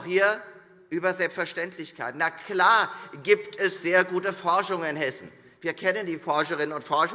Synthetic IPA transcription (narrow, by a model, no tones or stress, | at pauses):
hiːɐ | ʔyːbɐzɛlpstfɛɐʃtɛntʰlɪçkʰaɪtnakʰlaːɐɡiːptʰɛsz̥eːɐɡuːtəfɔɐʃʊŋənɪnɦɛsn̩ | viːɐkʰɛnəndiːfɔɐʃəʁɪnənʊntfɔɐʃə